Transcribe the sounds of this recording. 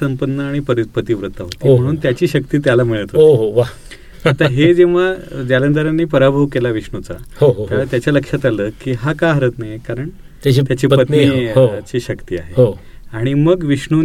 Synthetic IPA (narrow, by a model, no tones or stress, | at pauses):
səmpənːəaɽ̃ipəɾit̪̚pət̪iːʋɾut̪ːaɦot̪i̤ːəɽ̃uːnt̪jat͡ɕiːɕəkt̪iːt̪jalam̤əɭət̪ɦotiɦoʋa | at̪aɦed͡ʑeʋ̤ad͡ʑalənd̪əɾanːiːpəɾabʱowkelaʋiʂɳut͡sa̰ɦoɦojalat̪jat͡ɕjaləkʂat̪aləːkiːɦakaɦəɾəːt̪najkaɾəɳ | t̪at͡ɕit̪jat͡ɕiːppət̪iɦot͡ɕiːɕəkt̪iːa̰ɦeɦo | aɽ̃iməɡʋiʂɳu